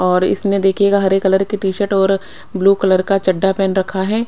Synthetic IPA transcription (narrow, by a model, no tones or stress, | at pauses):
ɔːɾɪ̰sned̪eːkʰeɡaɦɐɾeːkːɐləɾkiʈiːʃəɾʈɔːɾ | bluːkɐləɾkat͡ʃɐɖːapɛːnɾɐkʰaɦɛː